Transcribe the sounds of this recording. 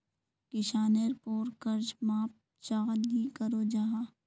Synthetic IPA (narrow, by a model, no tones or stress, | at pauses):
kɪʃaːneɾpoːɾkəɾd͡ʒmãːp̚ | t͡ʃaːd̪ɡikəɾoːd͡ʒaɦãː